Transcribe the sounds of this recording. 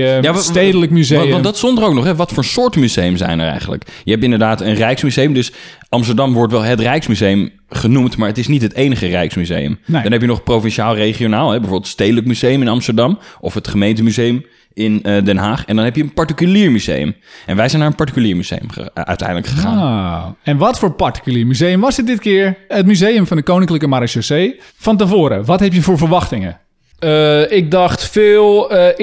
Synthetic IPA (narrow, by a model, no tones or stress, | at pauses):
jaedələkmyzɑndɑtsɔndərowknɔχɦɛʋɑtfʊːɹsʊːɹtəmyzejəmzɛ̰jnɛ̰ɹɛ̰jχən̩lə̰kjəɦɛp̬ɪndəɹdaːtənrɛjksmyzejəmdɵs | ɑmstəɹdɑmʋɔɹtʋɛlˠɦətrɛjksmyzejəm | χənumtmaːɹətɪsnitɦətejnəχərɛjksmyzḛjə̰mdɑnɦɛpjənɔχprowfɛnʃaːlˠrejχionaːlˠɛbɛvoːɹbɪlˠtstejdələkmyzejəmɪnɑmstəɹdɑmɔfɦətχəmejntəmyzejəm | ɪndɛnɦaːχɛndɔnɦɛpjəənpaɹtikyliːɹmyzḛjə̰mʔɛ̰nʋɛjsɛjnːaːɹənpaɹtikyliːɹmyz̥ḛjə̰məœ̰ɥtɛ̰jndələkχəa̰ | ɛnʋɔtfoːɹpaɹti̥kyliːɹmyzejəmʋɔsɪt̚dɪtkɪːəɹətmyzejəmfɔndəkownɪŋkləkəmaɾaʃosej | fɔntəvoːɾə̰ʋɔthɛp̬jəfoːɹvəɹʋɑxtɪŋə̰ | əɪk̚dɑxtfɪːlˠ